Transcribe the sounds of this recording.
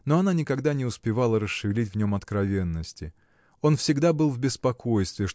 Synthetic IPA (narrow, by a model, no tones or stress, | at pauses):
no̞ɐnanʲɪkɐɡd̪anʲɪʊspʲɪvalˠəɾəsʂɨvʲɪlʲitʲvnʲo̞mɐt̪kɾɐvʲenːəsʲtʲɪ | o̞nfsʲɪɡd̪abɨlˠvbʲɪspɐkʰo̞jst̪vʲɪʂ